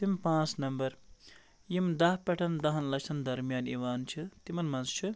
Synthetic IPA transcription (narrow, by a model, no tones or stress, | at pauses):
t̪impãːt͡snɐmbɐɾ | jimd̪ɐɦpʲɐʈʰɐnd̪ɐɦɐnlɐt͡ʃʰɐnd̪ɐɾmijaːniʋaːnt͡ʃʰɨt̪imɐnmɐnzt͡ʃʰɨ